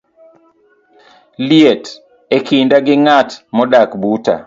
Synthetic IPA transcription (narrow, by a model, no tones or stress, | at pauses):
liet | ekindaɡɪŋatmɔdakbuta̰